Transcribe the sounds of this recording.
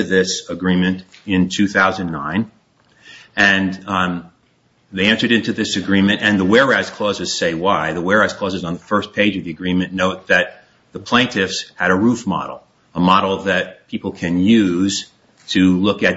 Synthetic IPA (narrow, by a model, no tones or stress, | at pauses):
ðɪsəɡɹĩmɨ̃ntɪ̃ntʰʉθaʊzɨ̃nnːãɪ̃n | ɨ̃n | ðeɪɛ̃ntə˞ɾɪ̃ntʉðɪsɨɡɹĩmɨ̃ntɨ̃nðəwɛɹɹaɪz̥kʰl̥oʊzɨz̥seɪwaɪðəwɛɹaɪz̥kʰl̥oʊzɨzn̩ðəfɜ˞spʰeɪd͡ʒʌvðiɨɡɹĩmɨ̃nːoʊt̪̚ðɨt̪̚ | ðəpʰl̥ẽɪ̃ntʰɪfsɨɾəɹufmɑ̰ɾl̩ˠ | əmɑɾl̩ˠðɨt̚pʰipl̩ˠkʰɨ̃njʉz̥ | tʰɨlʊkɨt